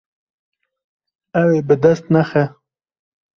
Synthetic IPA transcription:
awebəd̪ast̪naxa

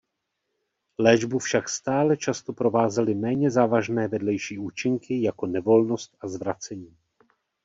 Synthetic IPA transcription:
lɛːʒbufʃakst̪aːlɛt͡ʃast̪o̞pɾo̞vaːzɛlɪmɛːɲɛzaːvaʒnɛːvɛdlɛjʃiːuːt͡ʃɪŋkʰɪjako̞nɛvo̞lno̞st̪ʔazvɾat͡sɛɲiː

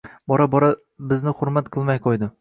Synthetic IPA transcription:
bɒɾabɒɾa | bɪznɪχʊɾmat̪qʰɨlˠmajqʰojd̪ɪ

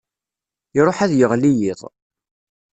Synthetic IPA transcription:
ɾˤoħæðjəʁlijɪðˤ

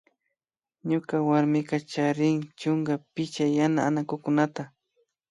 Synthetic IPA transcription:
ɲʊkawaɾmɪqɑt͡ʃaɾɪŋt͡ʃʊŋɡapɪt͡ʃajanaːnakʊkʊnat̪a

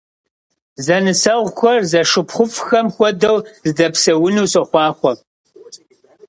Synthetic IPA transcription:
zɐnɨsɐʁʷxʷɐrzɐʂɨpχʷʊfxɐmxʷɔdɐwzɨdɐpsɐwʊnuːsɐχʷɑːχʷɔ

